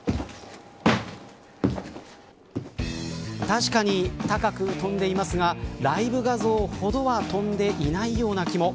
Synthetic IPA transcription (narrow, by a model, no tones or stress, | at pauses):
t̪aɕi̥kaɲ̟it̪akakɯ̟t̪õ̞nd̪e̞imasɨɡaɾaibɯ̟ɡazo̞ːho̞d̪o̞βat̪õ̞nd̪e̞ʔinaijo̞ːnakʲimo̞